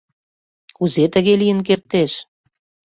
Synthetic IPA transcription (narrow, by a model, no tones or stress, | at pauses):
kuzet̪ə̆ɣelijə̆nk̬ert̪ːeʃ